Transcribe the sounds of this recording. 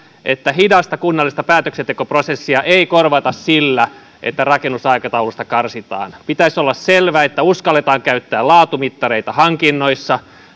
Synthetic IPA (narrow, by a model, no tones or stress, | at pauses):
ʔet̪ːæɦidɑst̪ɑkunːɑlːˑist̪ɑpæːt̪øksent̪ekoprosesːiɑʔeikorʋɑt̪ɑssilːæ | ʔḛt̪ːærɑkenːusɑikɑt̪ɑulust̪ɑkɑrsit̪ɑ̰ːnpit̪æisolːɑsselʋæːet̪ːæuskɑlːet̪ɑːŋkæyt̪ːæːlɑːt̪umit̪ːɑreit̪ɑhɑŋkinːoisːɑ